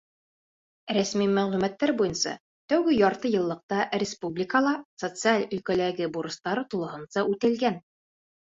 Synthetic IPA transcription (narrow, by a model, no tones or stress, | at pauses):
ɾæsmimæʁlʉmæt̪ːæɾbujɤnsɑ̰ | t̪æwɡɘjɒɾt̪ɤjɤ̆lˠːɤ̆q̚t̪ɑrʲɪspublʲɪkəlˠɑsot̪sɨalʲɵ̆lkælæɡɘbuɾɤ̆st̪ɑɾɤt̪ulˠɤ̆ɦɤ̆nsɑʉt̪ɘ̆lɡæn